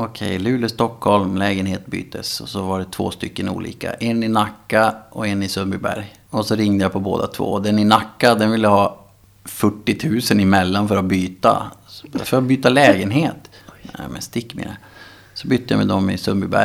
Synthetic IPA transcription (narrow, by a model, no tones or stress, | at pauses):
ɔkʰɛ̰jlʉ̟ːləst̪ɔkhɔlmlɛːɡənɦeːt̪̚by̰ːt̪ʰːəsɔsɔvaɖɛt̪ʰv̥o̰ːst̪ʏkːənṵːlʔḭːka̰ʔɛnːɪnakːaʔɔɛnːɪsɵmbɪbæ̰ɾj | ɔsɔɾɪŋd̪əjapʰɔbo̰ːd̪a̰t̪ʰvo̰ːd̪ɛnɪnakːad̪ɛnvɪlːəɦɑː | fœʈːɪt̪ʰʉ̟ːsənɪmɛlːanfœɾabyːt̪a̰fœɾabyːt̪alɛːɡənɦeːt̪nɛ̰ːmɛ̰nst̪ɪkːmɪ̰ɾə | sɔbʏt̪ːəja̰mɛ̰d̪ɔmɪ̰sɵmbɪbæ̰